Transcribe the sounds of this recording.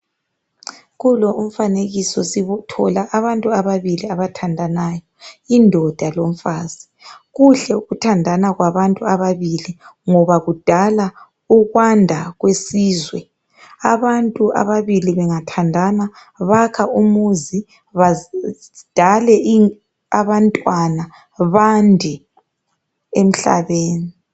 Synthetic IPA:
ɣulɔʔum̩faneɣisɔsiβutʰɔlaʔaβantʼuaβaβiliaβatʰandʱanajɔindʱɔd̥ʱalom̩faːzi | ɣuɬɛuɣutʰandʱanaɣwaβantʼuaβaβiliŋɔβaɣud̥ʱala | uɣwandʱaɣwesiːzwɛ̰ | aβantʼuʔa̰βaβiliβɛŋatʰandʱana | βakʰaumuzi | βa | d̥ʱalɛʔi | aβantʼwana | βandʱi | em̩ɬa̰βeːni

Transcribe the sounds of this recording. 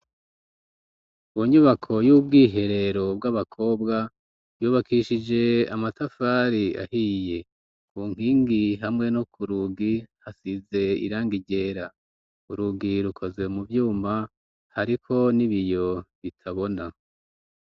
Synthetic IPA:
woɲuβakʰo̞jub̚ɡiːɦe̞ɾe̞ɾo̞b̚ɡaβakʰo̞ːbɡa | juːβakiʃid͡ʒe̞a̰matafaːɾia̰hiːje̞ | kuːŋ̥iːŋɡiɦamŋe̞nokʰuɾuɡihasize̞ḭɾaːŋɡiɟe̞ːɾa | uɾuɡiɾukʰo̞zɡe̞muvjuːma | haɾikʰo̞niβijo̞βitʰaβo̞na

